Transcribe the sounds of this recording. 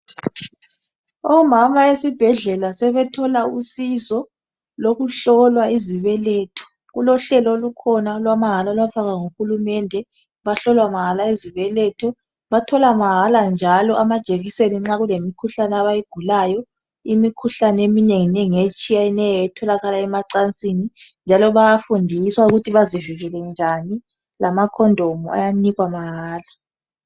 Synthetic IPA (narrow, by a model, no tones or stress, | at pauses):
ɔmamaesib̥ʱɛɮɛlasɛβɛtʰɔlausizɔ | loɣuɬɔlwaiziβɛlɛːtʰɔ̥ | ɣulɔɬɛlɔolukʰɔnalwamaɦalalwafaɣaŋuxulumɛndʱɛ | βaɬɔlwamaɦalaiziβɛlɛtʰɔ | βatʰɔlamaɦaland͡ʒʱalɔʔamad̥ʒ̥ʱeɣiseniŋ͡ǁaɣulemikʰuɬanɛaβajiɡ̥ʱulajɔ | imikʰuɬanɛemineŋinɛŋet͡ʃʼijainɛjɛtʰɔlaɣalaɛmaǀant͡sʼinind͡ʒʱalɔβajafundʱiswauɣutʰiβaziviɣɛlɛnd͡ʒʱani | lamakʰɔndʱɔmua̰janiɣwamaɦaːla